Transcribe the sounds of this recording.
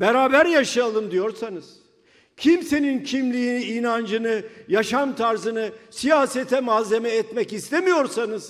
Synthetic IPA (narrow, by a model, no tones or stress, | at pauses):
bɛɾaːbæɾjaʃajalˠɯmd̪ijo̞ɾsanɯz̥ | cʰimse̞nincʰimlʲiːniinand͡ʒɯnɯjaʃamt̪ʰaɾzɯnɯsijaːset̪ʰɛmazːe̞mɛːt̪mɛcist̪ʰemijo̞ɾsanɯz̥